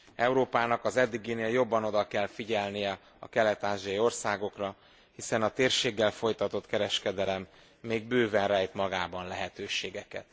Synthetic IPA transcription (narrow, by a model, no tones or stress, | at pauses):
ɛuɾoːpaːnɒkɒzɛd̪ːiɡineːljo̞bːɒno̞d̪ɒkɛlfiɟɛlnijɛ | ɒ̰kɛlɛt̪aːʒiɒio̞rsaːɡo̞krɒ | hisɛnɒt̪eːrʃeːɡːɛlfo̞jt̪ɒt̪o̞t̪kɛɾɛʃkɛd̪ɛlɛmː | eːɡ̚bøːvɛnrɛjt̪mɒɡaːbɒnlɛɦɛt̪øːʃeːɡɛkɛt̪